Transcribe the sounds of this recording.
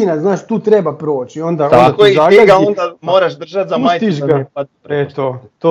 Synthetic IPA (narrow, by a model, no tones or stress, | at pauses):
inaznaːʃt̪uːt̪ɾebapɾo̞ːt͡ɕio̞nd̪aonaozaɡeond̪amoːɾaʃd̪r̩ʒat̪zamaːjt̪iʃɡa | et̪ot̪o